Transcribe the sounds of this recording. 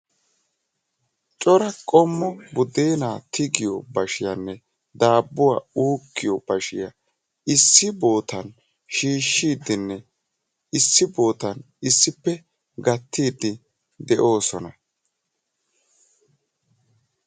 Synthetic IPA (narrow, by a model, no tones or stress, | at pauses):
t͡ʃʼɔɾɐkʼɔmːɔbʊd̪eːnaːt̪ʰɪɡɪjɔ̰bɐʃɪjɐnːɛ | d̪aːbːʊwa̰ːuːkːɪjɔb̥ɐʃɪjɐ | ɪsːɪbo̞ːt̪ɐn | ʃiːʃːiːd̪ɪnːɛ | ɪsːɪbo̞ːt̪ɐn | ɪsːɪpːɛ | ɡɐt̪ːiːd̪ːɪ | d̪ɛʔo̞ːsɔnɐ